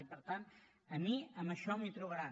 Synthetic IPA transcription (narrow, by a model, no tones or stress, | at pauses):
ipəɾt̪an | əmiəməʃɔmit̪ɾuβəɾa